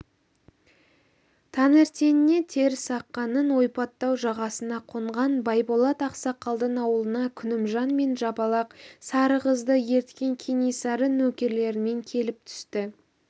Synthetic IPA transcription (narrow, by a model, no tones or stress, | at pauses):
t̪ʰɑneɾt̪enɪne̞t̪ʰe̞ɾsɑqːɑnənwo̞jpɑt̪ːɑwʒɑʁɑsənɑqʰoɴʁɑnbɑjbolˠɑt̪ɑqsɑqɑlˠd̪əɴɑwəlˠənɑkʲʰʏnɪmʒɑnme̞nʒɑbɑlˠɑqsɑɾəʁəzd̪əje̞ɾt̪kʲe̞ŋkʲʰenesɑɾənɵkʲe̞ɾle̞ɾɪme̞ŋkʲʰe̞lɪp̚t̪ʰʏ̥st̪ɪ